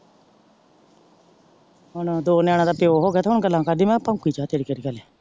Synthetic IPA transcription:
ɦʊnd̪oːnaːɽ̃ãːd̪aːpejoːɦoːɡejat̪aːɦʊɳɡəlːãːkad̪iːmɛ̃ːpãːkiːt͡ʃaːt̪eːɽiːkeːɾiːkɛleː

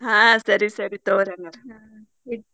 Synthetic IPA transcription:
hãːsɐɾisɐɾit̪ːoːɾɐŋɡɐɾ | i

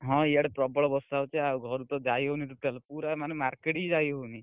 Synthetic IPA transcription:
ɦɔ̃iaɽepɾɔbɔɭɔbɔst̪awt͡ʃʰeaɡʱɔɾut̪ɔd͡ʒajɦoniʈuʈəlpuɾamanemaɾkeʈid͡ʒajɦoni

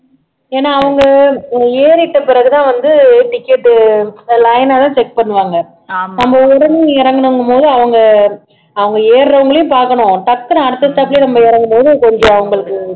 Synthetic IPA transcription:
eːnːaːʋɐŋɡɐeːɾɪʈːɐpɪɾɐɣɯt̪ãːʋɐnd̪ɯʈɪkːeːʈːɯlɐɪnaːt̪ãːt͡ʃɛk̚pɐɳːɯʋaːŋɡɐ | nɐmbɐʊʊɾɐniɪɾɐŋɡɐɳɯŋɡɐpoːðɯɐʋɐŋɡɐ | ɐʋɐŋɡɐeːɾɾɐʋɐŋɡɐɭɐjʊ̃mpaːɾkɐɳʊ̃ʈɐk̚t̪ːɯnaɐɽɯt̪ːɐsʈ̪aːpɪlenɐmbɐɪɾɐŋɡɐmpoːðɯkɔɲd͡ʒõɐʋɐŋɡɐɭɯkːɯ

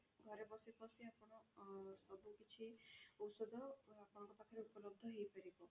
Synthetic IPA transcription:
ɡʱɔɾebɔsipɔsiapɔɽ̃ɔsɔbukit͡ʃʰiɔwsɔd̪ʱɔapɔɽ̃ɔ̃ŋkɔt̪akʰɔɾeupɔlɔb̚d̪ʱɔɦejpaɾikɔ

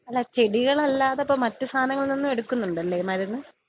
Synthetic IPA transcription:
ɐlːaːt͡ɕe̞ɽiɣɐɭɐlːaːðeɐpːoːmɐtːɨst̪ʰaːnɐŋːɐɭninːume̞ɽukːunːuɳɖɐlːeːmaːɾjɐnːɨ

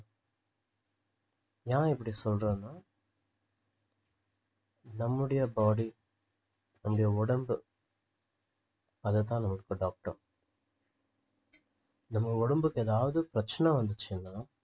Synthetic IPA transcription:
jãːɪp̬ːɐɽisɔlɾẽːnːaː | nɐmːɯɽɐjɐbaːɽi | nɐmːʊɽɐjɐɔɽɐmbɯ | ɐðɛt̪̬ːãːnɐmːɐɭɯkːɐɖaːk̚ʈɐ̰ | nɐmːɐɔɽɐmbɯkːɛːðaːʋɐðɯpɪɾɐt͡ʃːɐnɐʋɐnd̪ɯt͡ʃːɪnːaː

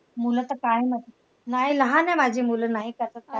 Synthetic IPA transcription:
mulət̪əkajmət̪ | naɦiləɦãnɛmad͡ʑʱiːmulənaɦikət̪əta

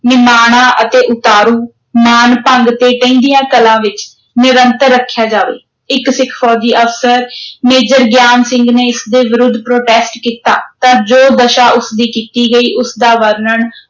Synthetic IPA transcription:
nɪmaːɽ̃ãːʔət̪eːʔʊt̪aːɾuː | maːnpəŋɡt̪eːʈə̃ĩːd̪ijãːkəlãːʋɪt͡ʃ | nɪɾənt̪əɾːəkʰːjaːd͡ʒaːʋḛː | ɪksɪkʰpʰɔːd͡ʒiːʔəfsəɾmeːd͡ʒəɾɡjaːnsɪ̃ŋɡneːɪsd̪eːʋɪɾʊd̪ʱːpɾoːʈɛːsʈkiːt̪a̰ːt̪ãːd͡ʒoːd̪əʃaːʔʊsd̪iːkiːt̪iːɡəiːʔʊsd̪aːʋəɾnəɳ

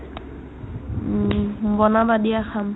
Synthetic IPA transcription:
bɔnabadiaxam

